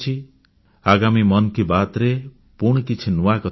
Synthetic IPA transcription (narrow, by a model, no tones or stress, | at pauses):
t͡ʃʰi | aɡamimʌnkibat̪ɾe | puɳ̃kit͡ʃʰinuakɔ